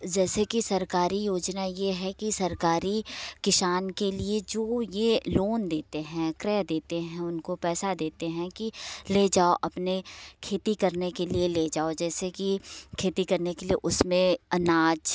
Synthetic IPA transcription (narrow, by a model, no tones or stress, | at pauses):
d͡ʒɛːsekisɐɾkaːɾijoːd͡ʒnajeɦɛkisɐɾkaːɾikɪʃaːnkelied͡ʒoːjeloːnd̪eːt̪eɦɛ̃kɾɛːd̪eːt̪eɦɛ̃ʊnkopɛːsad̪eːt̪eɦɛ̃kileːd͡ʒaːoʔɐpnekʰeːt̪ikɐɾnekelieleːd͡ʒaːod͡ʒɛːsekikʰeːt̪ikɐɾnekelieʔʊsmẽɐnaːd͡ʒ